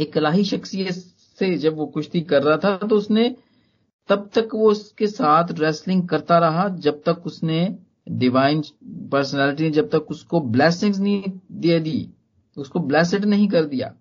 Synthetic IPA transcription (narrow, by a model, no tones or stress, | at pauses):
eːkɪlaːɦiʃɐxsijə | sed͡ʒɐbʋokʊt͡ʃʰt̪ʰikɐɾːɐɦat̪ʰat̪oʊsne | t̪ɐb̚t̪ɐkʋoʊskesaːt̪ʰɾɛːslɪ̃ŋɡ̚kɐɾt̪aɾɐɦad͡ʒɐb̚t̪ɐkʊsne | ɖɪʋaːɪnpəɾsnɛːlɪʈ̬imẽd͡ʒɐb̚t̪ɐkʊskoblɛːsɪ̃ŋɡznɐɦĩd̪ied̪i | ʊskoblɛːs̬ɪɖnɐɦĩk̬ɐɾd̪ija̰ː